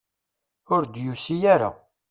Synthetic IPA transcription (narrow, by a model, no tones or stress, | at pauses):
ʊɾd̪jusijaɾa̰